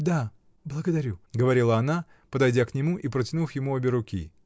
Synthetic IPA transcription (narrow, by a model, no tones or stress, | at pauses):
d̪a | blˠəɡəd̪ɐɾʲuɡəvɐɾʲilˠəɐna | pəd̪ɐjdʲaknʲɪmuʔipɾətʲɪnufjɪmuɐbʲɪɾʊkʲḭ